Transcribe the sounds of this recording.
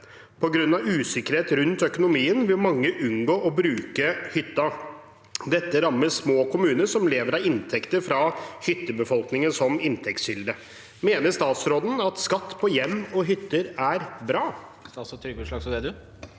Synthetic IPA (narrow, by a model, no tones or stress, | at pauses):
pʰɔɡɾʉnːɑʋʉːsɪkəɾheːt̪ɾʉnt̪œkʊnʊmiːənʋɪlmɑŋːəʔʉnɡoːʔɔbɾʉːkəhʏt̪ːɑ | d̪ɛt̪ːəɾɑmːəsmoːkʰʊmʉːnəʂɔmleːʋəɾɑʋɪnt̪ʰɛkt̪əɾfɾɑhʏt̪ːəbəfɔlknɪŋənsɔmɪnt̪ʰɛkt̪shʏld̪ə | meːnəst̪ɑːt̪sɾoːd̪n̩ɑt̪skɑt̪ːpʰɔjɛmːɔɦʏt̪ːəɾæɾbɾɑːsɔt̪ʰɾʏɡʉʂlɑːɡsɔd̪ɛd̪ʉ